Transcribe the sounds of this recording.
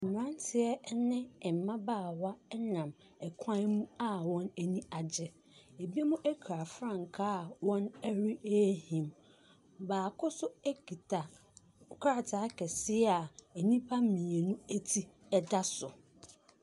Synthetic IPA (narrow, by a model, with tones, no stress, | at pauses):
m̩˨m˨ɾã˦n˦tʰɪ˦ɛ˦nɪ̃˦ɛ˨m˨mã˦baː˦˨wa˦ɛ˦nã˨m | ɛ˨kʰã˦n˦mũ˦a˦wɔ̃˦næ˨nĩ˦a˨d͡ʑɛ˨ | e˨bi˦e˦mũ˦ʔæ˦kʰɾa˨fɾã˦˨ŋ˨kʰa˦˨wɔ̃˦nɛ˦ɾi˦e˦hĩ˨m | baː˨kʰʊ˦sʊ˦æ˦kʰi˨tʰa˨ | kʰa˦a˨tʰa˨˦kɛ˨sɪ˦a˨æ˨nĩ˦pʰa˦mĩ˨e˨nũ˦æ˦tʰi˦ | ɛ˦da˦sʊ˨